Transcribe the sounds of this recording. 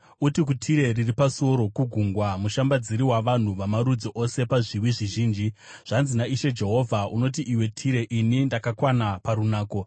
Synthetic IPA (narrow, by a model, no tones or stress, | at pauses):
utik̬utʰiɾe̞riripaso̞ɾo̞kuɡʱuŋɡwamuʃambad͡ziɾiwaʋan̤uʋamaɾud͡zoʔo̞se̞paʐiwiʐiʒiːnd͡ʒiʐ̥anzinaiʃe̞d͡ʒe̞ɦo̞vʱaʔuno̞t̬iʔiwe̞tʰiɾe̞ʔinindakakwanapaɾunaːko̞